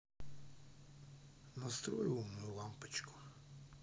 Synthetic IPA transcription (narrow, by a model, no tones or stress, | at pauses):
nɐst̪ɾɔjɪwɔmnɔjulˠɑmpɪt͡ʃkʊ̥